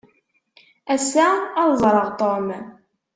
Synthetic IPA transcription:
æsaɑðzˤɾˤəʁt̪ˤom

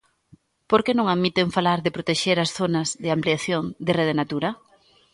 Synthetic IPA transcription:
poɾkenõŋaðmit̪eɱfalaɾðɪpɾot̪eʃeɾasθonɐzðɪampliaθjoŋd̪ɪreðɪnat̪uɾɐ

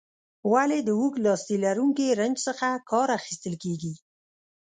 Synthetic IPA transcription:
waled̪əwuklɑst̪ilaɾuŋkeɾənd͡ʒsəxakɑɾaxi̥st̪əlkeɡi

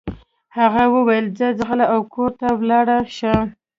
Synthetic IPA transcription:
haɣawəwajəld͡zəd͡zɣəlaʔawkʰoɾt̪awlɑɽaʃa

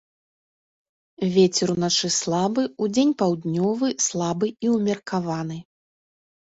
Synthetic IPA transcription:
vʲet͡sʲɛɾunat͡ʂɨslˠabɨud͡zʲenʲpawd̪nʲɔvɨslˠabɨiwmʲɐrkʰavanɨ

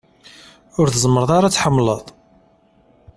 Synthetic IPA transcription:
ʊɾθəzˤməɾðˤɑɾat͡sːħəmːləðˤ

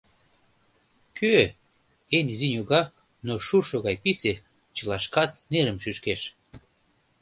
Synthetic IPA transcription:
kʰø | enizinʲjoɣɑk̚ | noʃurʃoɣɑjpise | t͡ɕəlɑʃkɑt̪̚neɾəmʃyʃkeʃ

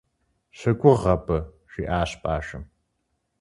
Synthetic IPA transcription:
ɕɐkʷʼʊʁɐpʰʼɐ | ʃiːʔaːɕpʼaːʃɨm

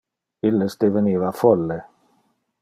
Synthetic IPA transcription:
ilːesd̪eveniːvafɔlːe

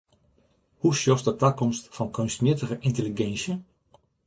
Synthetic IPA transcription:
husjɔsdətakɔmstfɔnkʰønstmjɪətəɣəʔɪnteliɡɛnsjə

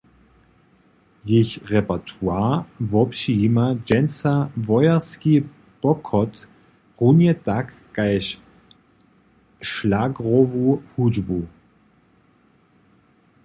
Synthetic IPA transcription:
jɪçʁɛpɛtʰuaːvɔpʃiimad͡ʒɛnsavɔjɐski | b̥ɔkʰɔt | ʁunjɛtakːaɪʃ | ʃlaɡʁɔvuhud͡ʒbu

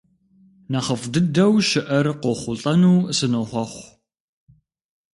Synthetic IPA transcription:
nɐχəfdɨdɐwʃɪʔɐrqʷoχʷʊɬʼɐnuːsɨnoχʷɔχʷ

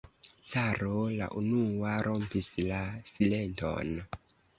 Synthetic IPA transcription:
t͡saɾola̰ʔunuaɾʔo̞mpislasile̞nto̰n

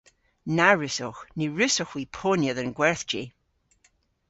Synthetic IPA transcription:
naɹɪsɔxniɹɪsɔxwiːpʰonjəðənɡwɛɹθd͡ʒi

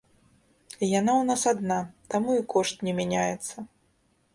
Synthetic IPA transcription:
ijanawnasad̪nat̪amuikɔʂt̪nʲɛmʲænʲajɛt̪sːɐ

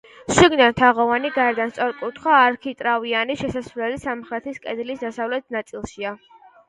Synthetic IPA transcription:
ʃiɡnant̪ʰaʁɔvaniɡaɾd̪anst̪sʼɔɾkʼut̪ʰχwaːɾkʰit̪ʼɾavianiʃɛsasvlɛlisamχɾɛt̪ʰiskʼɛd̪lisd̪asavlɛt̪̚ʰnat̪sʼilˠʃia

